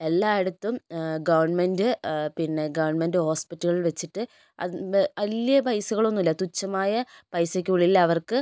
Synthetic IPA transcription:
e̞lːaːeɽut̪ːumɡɐʋɐrɳmendɨpinːe̞ɡɐʋɐrɳmendɨho̞ːspitːɐɣɐɭilʋet͡ɕːiʈːɨ | ɐ̰ɐljɐbɐjsuɣɐɭo̞nːilːɐt̪ut͡ɕːɐmaːjɐpɐjsɐkʲːuuɭilːɐɐʋɐrkɨ

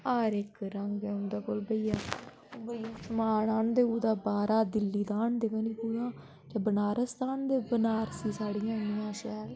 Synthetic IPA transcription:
aːɾɪkɾəŋɡẽːʊnd̪aːkoːlbəijaː | bəijaːʃəmaːɳaːnd̪eːuːd̪aːbaːɾaːd̪ɪlːiːd̪aːɳd̪eːkə̃ːniːpuːjãː | d͡ʒeːbənaːɾəsd̪aːnd̪eːbənaːɾsiːsaːɽijãːnɪjãːʃɛːl

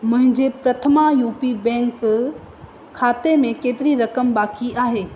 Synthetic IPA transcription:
mɐ̃ɦɪ̃ɲd͡ʑepɾɐt̪ʰəmajuːpibɛ̃ːŋk | kʰːaːt̪emẽkeːt̪ɪɾiɾɐkəmbaːkiʔaːɦeː

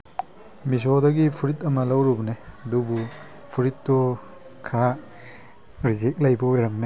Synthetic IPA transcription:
mis̬odɐɡipʰuɾitɐmɐlɐwɾubneɐdubu | pʰuɾitːɔ | kʰɐɾa | ɾizek̚lɐjbɐojɾɐmne

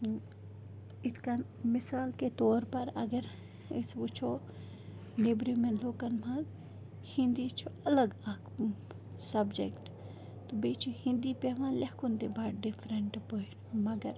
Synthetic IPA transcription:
ɪt̪ʰkanmɪsaːlket̪ɔːɾpɐɾɐɡəɾ | isʋut͡ʃʰo | libɾimẽnloːkɐnmãz | hɪ̃nd̪it͡ʃʰoɐləɡɐk | sɐbd͡ʒekʈ | t̪obet͡ʃʰohĩnd̪ipeʋãːlɐhkunt̪ebaːʈɖɪfʰɾəɳʈpoiʈmɐɡəɾ

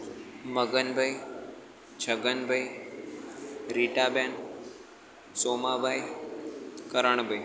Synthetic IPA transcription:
məɡənbʱəi | t͡ʃʰəɡənbʱəi | ɾiːʈaːbjaːn | soːmabʱai | kəɾəɳ̃bʱəi

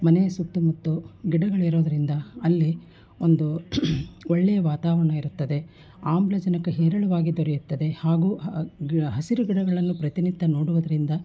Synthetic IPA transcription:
mɐnejɐsukt̪ːumɐt̪ːuɡiɽɐɡɐɭiɾoːd̪ɐɾind̪ɐɐlːi | ond̪u | ɔɭːɛjɐʋaːt̪aːʋɐɾɐɳɐiɾut̪ːɐd̪e̞ | aːmblɐd͡ʒɐnɐkɐɦɛːɾɐɭuʋaːɡid̪oɾɛjut̪ːɐd̪e̞haːɡuː | ɦɐsiɾuɡiɽɐɡɐɭɐnːupɾɐt̪init̪ːɐnoːɽuʋɐd̪ɐɾind̪ɐ

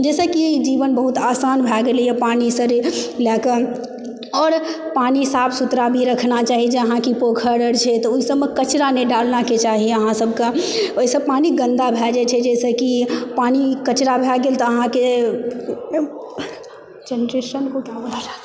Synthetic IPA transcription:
d͡ʒɛsəkid͡ʒiʋənbəɦut̪asanbʱɛɡeljɛpanisəɾlɛkə | ɔːɾpanisabsut̪ɾabʱiɾəkʰnat͡ʃaːɦid͡ʒeəɦãkipokʰəɽəɾt͡ʃʰɛt̪ɔuisəbmekət͡ʃɾaneɖalnaket͡ʃaɦiəɦãsəbkeoɦisəpaniɡə̃nd̪abʱɛd͡ʒɛt͡ʃʰɛd͡ʒɛsəkipanikət͡ʃɾabʱɛɡelt̪ɔːɦãke | d͡ʒɛnɾesənkokaodaa

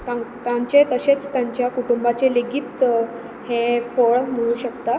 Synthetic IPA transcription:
t̪ãt̪jaɲt͡ɕet̪əɕet͡st̪jaɲt͡ɕjakuʈumbat͡ɕeleɡiːt̪ | hẽfoɭm̤əɭ̃ũːɕəkt̪a

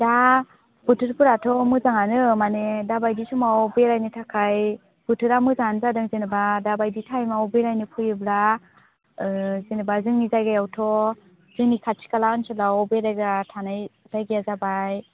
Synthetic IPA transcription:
da | b̥ɯtʰɯɾpuɾatʰɔmɯzaŋanɯmanedabajdisumaɔbeɾajnɯtʰakʰaj | b̥ɯtʰɯɾamɯzanzadɯŋzenɯbadabajditʰajmaɔbeɾajnɯpʰɯjɯbla | zenɯbazɯŋnizajɡajawtʰɔ | z̥ɯŋnikʰat͡ʃʰi̥kalaɯnsɯlaɔbeɾajɡatʰanaj | tajɡijazabaj

